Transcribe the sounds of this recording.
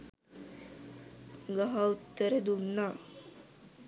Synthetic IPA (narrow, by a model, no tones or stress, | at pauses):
ɡaɦaut̪ːəɾəd̪unːa